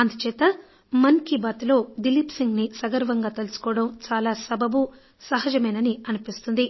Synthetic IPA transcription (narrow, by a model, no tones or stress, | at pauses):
ɐnd̪ɐt͡ʃɛːt̪ɐ | mɐnkibɐt̪lo̞ːd̪ilipsiŋɡnisɐɡɐɾʋɐŋɡaːt̪elusu̥kɔːɐɽɐmt͡ʃaːlaːsɐbɐbu | sɐɦɐd͡ʒɐmɐjnɐniɐnipist̪und̪i